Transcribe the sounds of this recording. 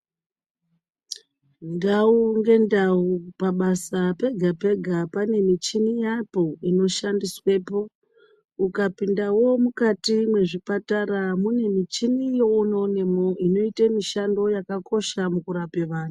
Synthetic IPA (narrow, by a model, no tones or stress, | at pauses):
ndauŋɡe̞ndaupaɓasape̞ɡʱape̞ɡʱapane̞mit͡ʃinijapo̞ino̞ʃandiswe̞ːpo̞ | ukapindawo̞mukatimwe̞ʐipataɾamune̞mit͡ʃinijo̞uno̞ne̞mo̞ino̞itamiʃando̞jakako̞ʃamukuɾape̞ʋaːnu